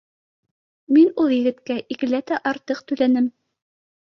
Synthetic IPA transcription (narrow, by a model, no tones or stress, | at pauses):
minulˠjɘ̆ɡɘ̆t̪kæʔikɘ̆læt̪æʔɑɾt̪ɤq̚t̪ɵ̆lænɘm